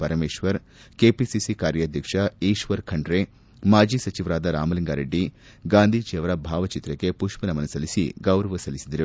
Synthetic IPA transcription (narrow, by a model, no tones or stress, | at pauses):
pɐɾɐmeːʃʋɐɾ | keːpisisikaːɾjɐːd̪ʱjɐkʂɐiːʃʋɐɾkʰɐɳɖɾe | maːd͡ʒiːsɐt͡ʃiʋɾaːd̪ɐɾa̰ːmɐliŋɡaːɾeɖːi | ɡaːnd̪ʱiːt͡ʃeːʋɐɾɐbʱaːʋɐt͡ʃit̪ɾɐkepuʂpɐnɐmɐnɐsɐlisḭɡɐwɾɐʋɐsɐlisid̪ɐɾu